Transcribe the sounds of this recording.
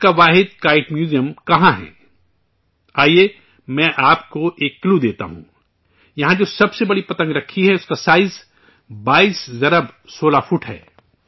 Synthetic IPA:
ʊskaʋaːɦɪd̪̚kaːɪʈmjuːzijəmkɐɦãɦɛ̰̃ː | aːie | mɛ̃ːʔaːpkoʔeːkːlud̪eːt̪a̰ɦṵ̃ | jɐɦãd͡ʒoːsɐbsebɐɽipɐt̪ə̃ŋɡɾɐkʰːiɦɛʊskasaːɪz | baːiːszɐɾəbsoːlafʊʈɦɛ̰ː

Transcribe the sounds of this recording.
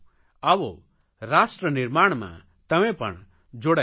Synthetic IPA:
aʋo | ɾasʈɾəniɾmaɽ̃mã̰ | t̪ɐmẽpɐ̰ɳ̃ | d͡ʒoɽa

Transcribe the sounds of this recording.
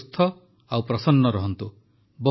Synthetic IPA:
st̪ʰɔ | awpɾɔsɔnːɔɾɔɦɔnt̪u | bɔ

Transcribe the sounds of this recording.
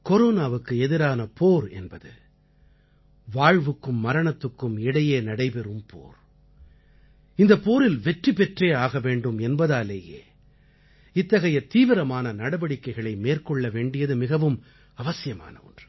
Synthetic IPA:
kɔɾoːnaːʋɯkːɯɛðɪɾaːnɐpʰoːɾɛ̰nbɐðɯ̰ | ʋaːɻʋɯkːɯmːɐɾɐɳɐt̪ːɯkːɯmɪɽɐjeːnɐɽɐɪpɛɾɯmpʰo̰ːɾ | ɪnd̪ɐpːoːɾɪlʋɛʈripɛʈreːaːɣɐʋeːɳɖɯmɛnbɐðaːleːjḛː | ɪt̪ːɐɣɐjɐt̪iːʋɪɾɐmaːnɐnɐɽɐbɐɽɪkːɐɪɣɐɭɐɪmeːrkɔɭːɐʋeːɳɖɪjɐðɯmɪɣɐʋɯm | ɐʋɐsɪjɐma̰ːnɐ̰ɔ̰ndr

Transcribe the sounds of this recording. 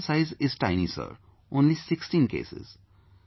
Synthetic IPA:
saɪzɪz̥ʈaɪnisə̰ɾ | õːnlisɪksʈĩnkḛːsɪ̰z̥

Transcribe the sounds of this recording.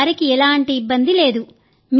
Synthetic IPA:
ɾikiɛlaːɳʈiːbːɐnd̪ile̞ːd̪u | m

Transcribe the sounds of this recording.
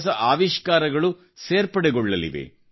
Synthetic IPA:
s̬ɐʔaːʋiʃkaːɾɐɡɐɭu | seːɾpɐɽɛɡɔɭːɐlḭʋḛ

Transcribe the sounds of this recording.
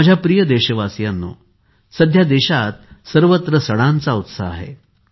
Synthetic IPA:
əd͡ʑʱjapɾijəd̪eɕəʋasjanːo̰ | səd̪ʱjad̪eɕat̪̚səɾʋət̪ɾəsəɽ̃ant͡saut̪sa̰ːɦḛ

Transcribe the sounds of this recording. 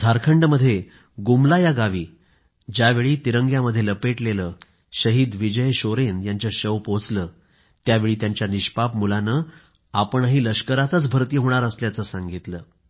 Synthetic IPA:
d̪ʱaɾkʰəɳɖməd̪ʱːje | ɡumlajaɡaʋiː | d͡ʑaʋeɭiːt̪iɾəŋɡjaməd̪ʱːjeləpeʈleləː | ɕəɦiːd̪ʋid͡ʑəjɕoɾenjaɲt͡ɕjaɕəwpot͡sləː | t̪jaʋeɭiːt̪jaɲt͡ɕjaniɕpapmulanəː | apəɳɦiːləɕkəɾat̪ət͡sbʱəɾt̪iɦoɽ̃aɾəsljat͡səːsaŋɡit̪ləː

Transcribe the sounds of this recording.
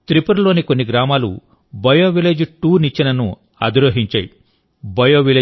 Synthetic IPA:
t̪ɾipɐɾlo̞ːniko̞nːiɡɾaːmaːlṵ | bɐjoːʋileːd͡ʒʈuːnit͡ʃːinɐnu | ɐ̰d̪ɾoɦiɲt͡ʃɐːji | bɐjoːʋileː

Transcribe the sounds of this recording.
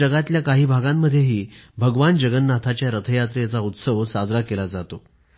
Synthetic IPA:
əɡat̪ljakaɦiːbʱaɡamːəd̪ʱːjeɦiːbʱəɡʋand͡ʑəɡənːat̪ʰat͡ɕjaɾət̪ʰəjat̪ɾet͡saut̪səʋsad͡zɾakelad͡zat̪o

